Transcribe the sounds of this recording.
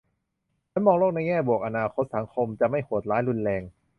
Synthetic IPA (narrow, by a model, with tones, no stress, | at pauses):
t͡ɕʰa˧˦˥nmɔː˧ŋloː˥˩k̚na˧jŋɛː˥˩bu˨˩ək̚ʔa˧naː˧kʰo˦˥t̪̚sa˩˦ŋkʰo˧mt͡ɕa˨˩ma˥˩jkʰoː˨˩t̪̚laː˦˥jɾu˧nlɛː˧ŋ